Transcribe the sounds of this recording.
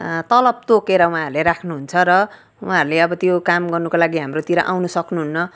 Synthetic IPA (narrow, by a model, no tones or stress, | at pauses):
t̪ʌlʌb̚t̪okeɾʌw̃ɦãɾuleɾakʰnuɦunt͡sʰʌɾʌ | wɦaɾuleʌbʌt̪jokamɡʌrnukolaɡiɦamrot̪iɾʌʔa̰wnusʌknuɦunːʌ